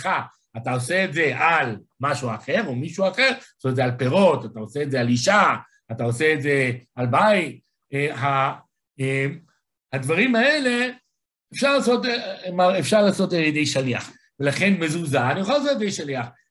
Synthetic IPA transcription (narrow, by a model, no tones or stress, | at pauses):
χa | atao̞se̞ːtze̞ʔal | maʃuaχe̞ʁo̞miʃuaχe̞ʁosoetzealpe̞ʁo̞t̪at̪aoseːtzealiʃa | atao̞se̞ːtze̞albait̚ | eɦa | em | had̪vaʁimaele̞ | efʃaʁlaːso̞tmaefʃaʁlaːso̞taljedejʃaliaχ | velaχe̞nme̞zuzaːnijoχalasljed̪ejʃaliaχ